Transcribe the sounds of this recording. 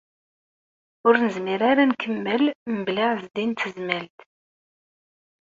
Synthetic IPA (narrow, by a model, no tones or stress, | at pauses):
ʊɾnəzmiɾaɾankʰəmːəlmblaʕzd̪int̪ːəzmælt̪